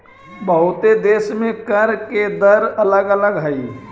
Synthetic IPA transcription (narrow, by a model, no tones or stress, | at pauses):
bəɦʊt̪ed̪eːʃmẽkəɾked̪əɾɐləɡələɡɦaiː